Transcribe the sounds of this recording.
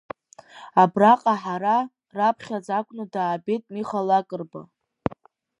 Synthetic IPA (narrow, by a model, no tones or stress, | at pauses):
abraqʼaħaɾa | rapʰχʲad͡zakʷʰʼnɨdaːbetʼmiχalakʼərba̰